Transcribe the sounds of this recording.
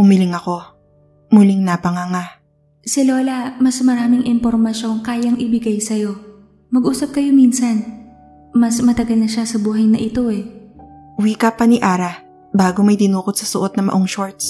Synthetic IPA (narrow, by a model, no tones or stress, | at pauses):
ʊmilɪŋɐko̞ | mulɪŋnɐpɐŋɐŋa | sɪlo̞ːlɐmɐsmɐɾaːmɪŋʔɪmpoɾmɐʃo̞ŋkaːjɐŋʔɪbɪɡajsɐjo̞ | mɐɡʔuːsɐp̚kɐjo̞minsɐn | mɐsmɐt̪ɐɡɐlnɐʃasɐbuːɦɐjnɐʔɪt̪o̞ɛ | wiːkɐpɐniʔaːɾɐ | baːɡomɐjd̪ɪnuːkot̪sɐsʊʔot̪̚nɐmɐ̰ʔoŋʃoɹt̪s